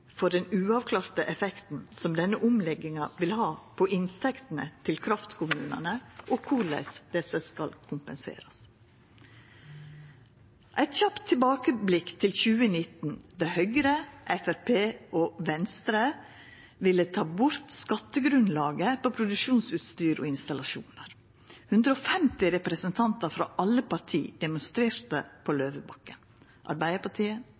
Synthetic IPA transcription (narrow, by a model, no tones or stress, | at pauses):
fɔɖɛnʉːɑʋkʰlɑːɾt̪əʔɛfɛkt̪n̩sɔmd̪ɛnːəʔʊmlɛɡɪŋɑʋɪlhɑːpʰɔʔɪnt̪ʰɛkt̪n̩ə̰t̪ʰɪlkʰɾɑft̪kʰʊmʉːnə̰nəʔoːkʰʊlæ̰ɪsd̪ɛsəskɑlkʰʊmpənsḛːɾɑs | ʔæɪt̪çɑpt̪ʰːɪlbɑːkəblɪkt̪ʰɪlçʉːənɪt̪n̩d̪æhœɡɾəʔɛfæɾpʰeːoːʋɛnst̪ɾə | ʋɪlːət̪ʰɑːbʊɾt̪skɑt̪ːəɡɾʉnlɑːɡəpoːpʰɾʊd̪ʉkʃuːnsʉːt̪st̪yːɾo̰ːɪnst̪ɑlɑʃṵːnəɾ | hʉnd̪ɾəoːfɛmt̪ɪɾɛpɾɛsənt̪ʰɑnt̪ɑɾfɾɑ̰ːʔɑlːəpɑt̪ʰḭːd̪̥ɛmʊnst̪ɾeːɾt̪ə̰pʰoːløːʋəbɑkːə̰n | ʔɑ̰ɾbæɪəpɑʈʰiːə